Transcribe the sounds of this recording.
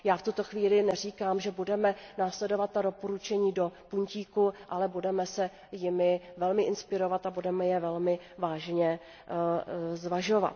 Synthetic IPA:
jaːft̪ut̪o̞xviːlɪnɛr̝iːkaːmʒɛbudɛmɛnaːslɛdo̞vat̪̚ːadopoɾut͡ʃɛɲiːdo̞puɲciːkuʔalɛbudɛmɛsɛ | jɪmɪvɛlmɪʔɪnspɪɾo̞vat̪abudɛmɛjɛvɛlmɪ | vaːʒɲɛ | zvaʒova̰t̪

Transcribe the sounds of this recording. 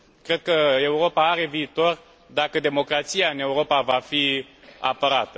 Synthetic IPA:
kɾe̞d̪̚kəe̞uɾo̞paaɾe̞viːt̪o̞r | d̪akəd̪e̞mo̞kɾat̪sijaɨne̞uɾo̞pavafia̰pəɾat̪ə

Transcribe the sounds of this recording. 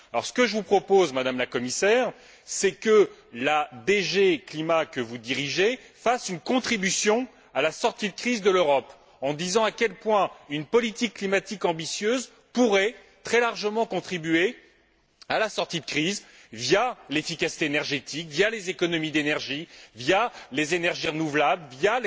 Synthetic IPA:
alɔ̰ʁsə̥kəʒəvupχɔpozmad̪amlakɔmisɛːʁ | sɛkəlad̪eʒeklimakəvud̪iʁiʒe | fasynkɔ̃t̪χibysjɔ̃ | alasɔʁt̪id̪əkχizd̪əløʁɔp | ɑ̃d̪izɑ̃akʲɛlpwɛ̃ynpɔlit̪ikːlimat̪ikɑ̃bisjøz | puʁɛ | t̪χɛlaʁʒəmɑ̃kɔ̃t̪χibyɥe | alasɔʁt̪id̪əkχizvjalefikasi̥t̪eenɛʁʒet̪ikvjalezekɔnɔmid̪enɛʁʒivjalezenɛʁʒiʁənuvlabləvja

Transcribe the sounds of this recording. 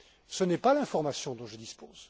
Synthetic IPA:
sənɛpalɛ̃fɔʁmasjɔ̃d̪ɔ̃ʒəd̪ispoːz̥

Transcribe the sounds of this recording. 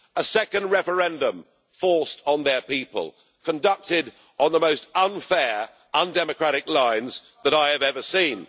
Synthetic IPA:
əsɛkə̃ndɹɛfə˞ɛ̃ndə̃ɱ | fɔɹstn̩ðə˞pipə̰lˠ | kʰə̃ndʌk̚tɪd | n̩ðəmoʊstʌ̃nfɛ | ʌ̃ndɛmɨkʰɹ̥æɾɪklãɪ̃nz | ðəɾaɪɨvɛvə˞sĩn

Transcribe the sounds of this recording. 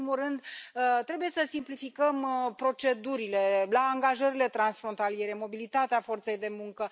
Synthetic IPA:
imurɨnd̪ət̪ɾe̞buje̞səsimplifikəmpɾo̞t͡ʃe̞d̪uɾile̞laːŋɡaʒəɾile̞t̪ɾansfɾont̪alije̞ɾe̞mo̞bilit̪at̪eafo̞rt̪se̞jd̪e̞muŋkə

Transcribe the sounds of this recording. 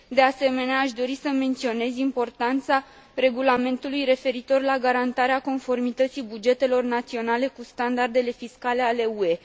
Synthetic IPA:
d̪e̞ase̞me̞neaːʃd̪o̞ɾisəme̞nt̪sio̞ne̞zimpo̞rt̪ant̪sa | re̞ɡulame̞nt̪ulujɾe̞fe̞ɾit̪o̞rlaɡaɾant̪aɾeako̞nfo̞rmit̪ət̪sibud͡ʒe̞t̪e̞lo̞rnat̪sio̞nale̞kust̪and̪ard̪e̞le̞fiskale̞ale̞ue̞

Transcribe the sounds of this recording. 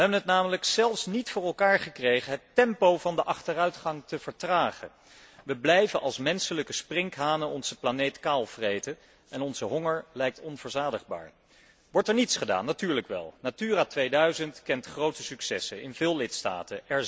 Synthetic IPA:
ʋəɦɛbənɦətnaːmələksɛlˠfsnitfʊːɹɛlˠkaːɹχəkrejχəɦətɛmpowvɑndəʔɑχtərœɥtχɑŋtəv̥əɹtraːχə | ʋəblɛjvənʔɑlˠsmɛnsələkəsprɪŋkɦaːnəɔnz̥əplanejtkaːlˠvrejtə | ɛnɔnzəɦɔŋəɹlɛjk̚tɔnvəɹzaːdəχba̰ːɹ | ʋɔɹtɛɹnitsχəda̰ːnːatyːɹləkʋɛ̰lˠnatyːraːtʋejdœɥzəntkɛntχrowtəsyksɛsəɪnvɪːlˠlɪtsta̰ːtəɛɹ

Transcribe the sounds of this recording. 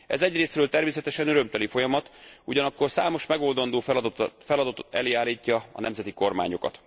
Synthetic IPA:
ɛ̰zɛɟreːsrøːlt̪ɛrmeːsɛt̪ɛʃɛnøɾømt̪ɛlifo̞jɒmɒt̪uɟɒnɒkːo̞rsaːmo̞ʃmɛɡo̞ld̪ɒnd̪oːffɛlɒd̪ɒt̪o̥t̪ɛ̰leːaːlːiːcːɒɒ̰nɛmzɛt̪iko̞rma̰ːɲo̞kɒ̰t̪

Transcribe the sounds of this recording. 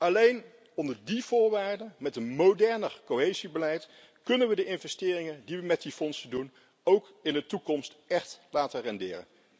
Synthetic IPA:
ɑlejn | ɔndəɹdiv̥ʊːɹʋaːɹdənmɛtənmowdɛɹnərkoɦejzibəlɛjt | kɵnənʋədəʔɪnvɛstɪːrɪŋəndiʋəmɛt̚difɔnsədun | owk | ɪndətukɔmstɛχtlaːtərɛndɪːrə̰n

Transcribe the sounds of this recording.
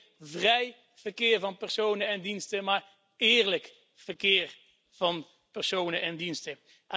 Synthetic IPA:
vrɛj | v̥ərkɪːɹvɑnpɛɹsownəɛndinstəmaːɹ | ɪːɹlək | fərkɪːɹ | v̥ɑn | pɛɹsoːnəʔɛndinstə

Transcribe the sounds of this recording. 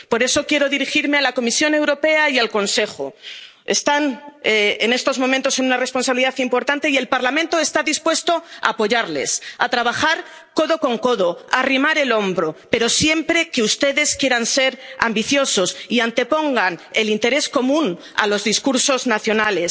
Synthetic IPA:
po̞ɾe̞so̞kje̞ɾo̞ðiɾixiɾmealako̞misjo̞ne̞wɾo̞pe̞aialko̞nse̞xo̰ | e̞st̪aneene̞st̪o̞zmõ̞mẽnt̪o̞se̞nunare̞spo̞ns̬aβiliðaθimpo̞ɾt̪ant̪e̞ie̞lpaɾlamẽnt̪oest̪aðispwe̞st̪o̞a̰ːpo̞ʝaɾle̞̰sa̰t̪ɾaβ̞axaɾ | ko̞ðo̞ko̞ŋko̞ðo̞arimaɾe̞lõ̞mbɾope̞ɾo̞sje̞mpɾe̞keust̪e̞ðe̞skje̞ɾanse̞ɾa̰mbiθjo̞so̞siant̪e̞po̞ŋɡane̞lint̪e̞ɾe̞sko̞mũn | a̰lo̞zðiskuɾso̞znaθjo̞nale̞s

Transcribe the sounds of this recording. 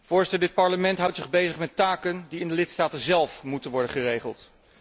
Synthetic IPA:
v̥ʊːɹzɪtədɪt̚pɑɹləmɛntɦʌwtsɪχbejzəχmɛtaːkəndiɪndəlɪtstaːtənzɛlˠfmutənʋɔɹdəχərejχəlˠt

